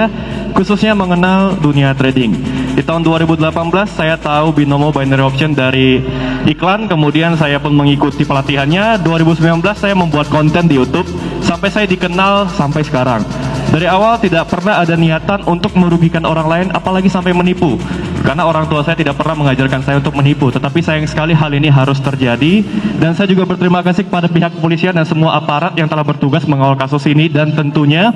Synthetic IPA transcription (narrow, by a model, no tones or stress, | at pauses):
kususɲaməŋənalduniat̪ɾedɪŋdit̪aɦʊnduaɾibudəlapanbəlasːajat̪aubinomobajnɾiɔksiɔndaɾiiklankəmudiansajapʊnməŋikut̪ipəlat̪iɦanɲaduaɾibusəmbilanbəlasːajaməmbuat̪̚kɔnt̪ɛndijut̪ʊp̚sampajsajadikənalsampajsə̥kaɾa̰ŋdaɾiawalt̪idaʔ̚pərnaɦadaniat̪anʔunt̪ʊk̚məɾuɡikanoɾaŋlaɪna̰palaɡisampajmənipukarnaoɾaŋt̪uasajat̪idaʔ̚pərnahməŋad͡ʒarkansajaunt̪ʊk̚məniput̪ət̪apisajaŋsə̥kaliɦaliniɦaɾʊst̪ərd͡ʒadidansajad͡ʒuɡabərt̪əɾimakasɪikə̥padapiɦakːəpolisiandansəmuaʔapaɾat̪̚jaŋt̪əlahbərt̪uɡasməŋawalkasʊsinidant̪ənt̪uɲa